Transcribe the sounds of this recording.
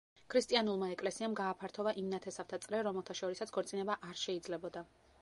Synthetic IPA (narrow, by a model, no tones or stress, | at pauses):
kʰɾist̪ʼianulˠmaɛkʼlɛsiamɡaːpʰaɾt̪ʰɔvaʔimnat̪ʰɛsavt̪ʰat̪sʼɾɛɾɔmɛlˠt̪ʰaʃɔɾisat̪sʰɡ̥ɔɾt̪sʼinɛbaʔaɾʃɛid̪zlɛbɔd̪a